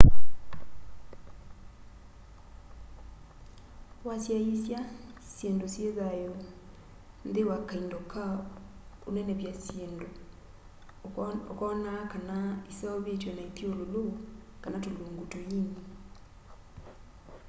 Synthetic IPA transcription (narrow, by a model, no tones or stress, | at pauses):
wasjajisja | sjendosjeðajo | ndewakaindoka | onɛnɛβjasjendo | okɔnakanaisaɔβetwɛnaitiololo | kanatoloːŋɡotojiɲ